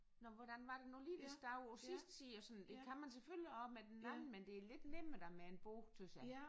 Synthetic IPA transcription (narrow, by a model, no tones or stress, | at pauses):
nɒʋɒɾ̥ænʋɑ̈ɾ̥enoliːʋisd̥ɑʊsisd̥sḭːɒsɒ̽n̩d̥e̝kʰæmænseføljiɒ̽b̥med̥enːæmn̩mend̥e̝æle̝d̥neməd̥æmeenb̥ot͡sʰøsæ